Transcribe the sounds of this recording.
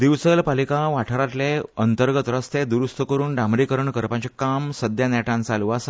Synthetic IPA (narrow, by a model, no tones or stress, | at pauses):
d̪iʋsəlpalikaʋaʈʰəɾat̪leənt̪əɾɡət̪ɾəst̪ed̪uɾust̪əkəɾuːnɖãmɾikəɾəɳkəɾpãt͡ɕekamsəd̪janɛʈãnt͡saluʋas